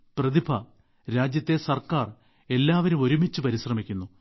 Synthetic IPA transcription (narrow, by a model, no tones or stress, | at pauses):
prɐðibʰʱɐ | ɾaːd͡ʑjɐt̪ːe̞sɐrkaːr | e̞lːaːʋɐɾumo̞ɾumit͡ɕːupɐɾiɕrɐmikʲːunːu